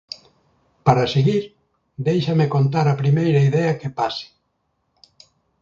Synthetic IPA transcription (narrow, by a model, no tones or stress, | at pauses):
paɾaseɣiɾ | d̪ejʃɐmekont̪̬aɾɐpɾimejɾɐiðɛɐkepasɪ̥